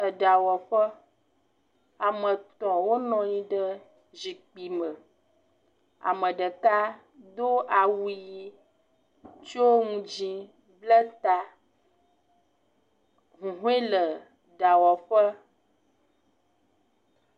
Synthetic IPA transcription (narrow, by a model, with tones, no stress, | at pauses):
ə˨ɖa˨wɔ˨ɸə˦ | a˨mə̃˨t̪ɔ̃˨wo˦nɔ̃˨ɲĩ˨ɖə˦ | d͡ʒi˨k͡pi˨mə˨ | a̰˨mə̃˨ɖə˨ka˦ | d̪o˦ʔa˨wu˦ji˦ | t͡ʃi˦o˦ŋũ˦d͡ʒĩ˦ | blə˦t̪a˨ | ɦũ˨ɦu˦e˦lə˨ | ɖa˨wɔ˨ɸə˦